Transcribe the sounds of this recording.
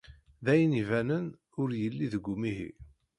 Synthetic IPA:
ðæjənivænən | ʊɾjəlːiðəɡʷːumiɦḭ

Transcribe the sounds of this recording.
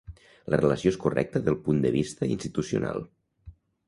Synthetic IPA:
lərələsioeskurɛ̰k̚t̪əðəlˠpund̪əβ̞ist̪əinst̪it̪usiṵna̰lˠ

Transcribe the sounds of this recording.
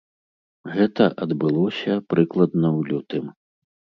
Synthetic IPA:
ɣɛt̪ɐʔɐd̪bɨlˠɔsʲɐpɾɨklˠɐd̪nɐwlʲut̪ɨm

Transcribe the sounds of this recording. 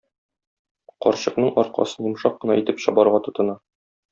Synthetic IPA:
qɒ̰ɾɕɤ̆qnɤɴɒɾqɑ̰sɤnjŭmʃɑq̚ːɤ̆nɑit̪ɘpɕɒbɑɾʁɑt̪ŏt̪ɤ̆nɑ

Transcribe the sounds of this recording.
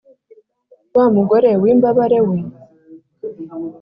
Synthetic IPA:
waːmuɡoɾewimbaβaɾewe

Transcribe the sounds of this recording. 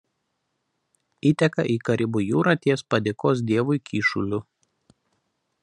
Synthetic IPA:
iːt̪ʲɛkɐʔiːkɐɾʲɪbʊjuːɾɐt̪ʲiɛspɐd̪ʲɪkoːs̬d̪ʲiɛʋʊɪkʲiːʃʊlʲʊ

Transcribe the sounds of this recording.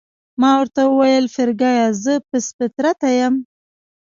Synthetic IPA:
mɑwəɾt̪awəwajəlfɪɾɡɑjɑzəpəspɪt̪ɾat̪ajəm

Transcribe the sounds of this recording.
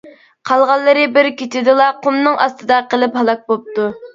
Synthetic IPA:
qʰɑlˠʁɑlˠːɨɾɨbɪɾkʲit̪ʰɪd̪ɨlˠɑqʰʊmnɨŋʔɑ̰st̪ɨd̪ɑqəlˠɪphɑlˠɑk̚bop̚t̪u

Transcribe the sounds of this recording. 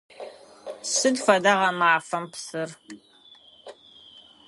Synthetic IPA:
sɨdfɐdɐʁɐmaːfɐmpsɨr

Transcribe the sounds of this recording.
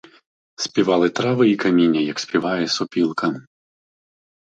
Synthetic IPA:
sʲpʲivalˠɨt̪ɾavɨikamʲinʲɐjɐksʲpʲivajɛsɔpʲilˠkɐ

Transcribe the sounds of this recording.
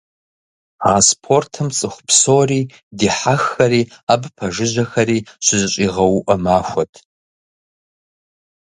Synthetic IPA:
aːspʰortʰɨmt͡sʼɨχʷʊpʰsoriː | diħaxːɐɾiːabpʰɐʐɨʒʷɐxɐɾiːʃʷɪzɕʷʼiʁɐwuʔɐmaːxʷɐtʰʼ

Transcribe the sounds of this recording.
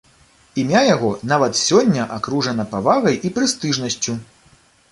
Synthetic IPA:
imʲajaɣɔnavɐt̪sʲɔnʲːɐʔakɾuʐɐn̪ɐpavaɣɐjʔipɾɨst̪ɨʐnɐsʲt͡sʲu

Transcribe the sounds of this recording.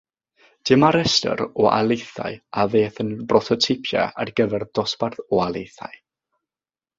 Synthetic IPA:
d̥ɪmaɾɛstə̰ɾɔʔa̰lˠejθa̰ɨaveːθənbrɔθɔtʰɪpʰjɛ̰a̰rɡ̥əvɛrd̥ɔsparθɔalˠejθa̰ɨ

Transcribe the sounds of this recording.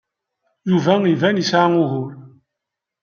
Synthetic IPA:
juvæivænisʕaʊɦʊɾ

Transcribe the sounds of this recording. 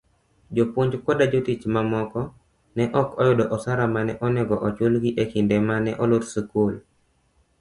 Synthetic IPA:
d͡ʒopwoɲd͡ʒkɔdad͡ʒotit͡ʃmamɔkɔ | nɛʔɔkɔjʊdɔʔɔsaɾamanɛʔɔnɛɡɔʔɔt͡ʃwolɡiʔekɪndɛmanɛʔɔlotsukol

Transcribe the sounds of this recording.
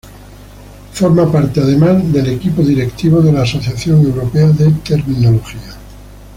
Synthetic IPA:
foɾmapaɾt̪eað̞e̞mazðe̞lekipoðiɾekt̪iβ̞oðelaːso̞θjaθjo̞ŋe̞wɾopeaðet̪e̞ɾminoloxia

